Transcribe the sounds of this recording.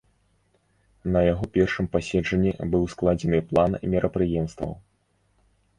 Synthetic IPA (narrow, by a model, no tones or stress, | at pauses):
nɐjaɣɔpʲɛrʂɨmpasʲɛd͡ʐɐnʲːḭbɨwsklˠad͡zʲɛnɨplˠanmʲɛɾʔɐpɾɨjɛmst̪vɐ̰w